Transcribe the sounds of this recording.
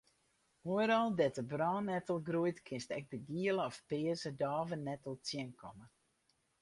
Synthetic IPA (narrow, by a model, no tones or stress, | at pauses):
huəɾɔlˠdɛtəbraːnːɛtəlˠɡrujtkʰɪnstɛk̚dəɡiələɔfpɪəzədaːvənːɛtəlˠtjiənkʰɔmə